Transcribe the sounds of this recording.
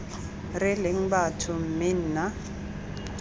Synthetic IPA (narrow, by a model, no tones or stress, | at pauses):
rɪlɪŋ̩batʰʊm̩mɪn̩na